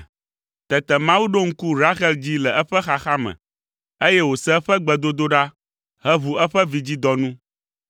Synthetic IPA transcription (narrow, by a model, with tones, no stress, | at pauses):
t̪ɛ˨t̪ɛ˨mã˦wu˦ɖo˦ŋ̩˦ku˦ɾa˦xɛ˦ld͡ʑi˦lɛ˨ʔɛ˦ɸɛ˦xa˨xa˦mɛ̰̃˨ | e˦jɛ˦wo˨sɛ˦ɸɛ˦ɡ͡bɛ˨d̪o˦d̪o˦ɖa˦ | ɦɛ˦βu˨ɛ˦ɸɛ˦vi˨d͡ʑi˦d̪ɔ˦nũ˦